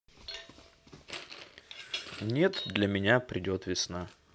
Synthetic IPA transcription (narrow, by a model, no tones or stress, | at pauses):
nʲe̞t̪d̪lʲəmʲɪnʲapɾʲɪdʲo̞t̪vʲɪsna